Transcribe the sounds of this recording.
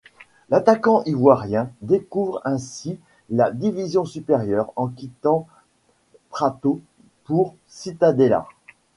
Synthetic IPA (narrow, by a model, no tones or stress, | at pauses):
lat̪akɑ̃ʔivwaʁjɛ̃d̪ekuvʁɛ̃si | lad̪ivizjɔ̃sypeʁjœʁɑ̃kʲit̪ɑ̃ | p̪χat̪o | puʁ | sit̪ad̪ela̰